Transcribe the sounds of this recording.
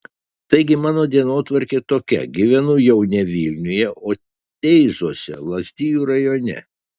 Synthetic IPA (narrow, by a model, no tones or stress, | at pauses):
t̪ɐɪɡʲɪmɑːnoːd̪ʲiɛnoːt̪ʋɐɾʲkʲeːt̪oːkʲɛ̰ɡʲɪʋʲɛnʊjɛʊnʲɛʋʲiːlʲnʲʊjɛʔoː | t̪ʲɛɪzoːsʲɛ̰lˠɐsʲt̪ʲiːjuːɾɐjoːnʲɛ̰